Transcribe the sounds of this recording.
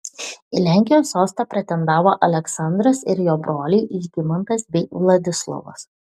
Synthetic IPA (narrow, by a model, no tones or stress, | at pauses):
ilʲæˑŋʲkʲɪjoːsːoːst̪ɑpʲɾʲɛt̪ʲɛnd̪ɑːʋoːʔɐlʲɛksɐnd̪ɾɐsɪɾjoːbɾoːlʲɛɪʔiːʒɡʲɪmɐnt̪ɐsbʲɛɪʋlˠɐd̪ʲɪslˠɐ̰ʋɐ̰s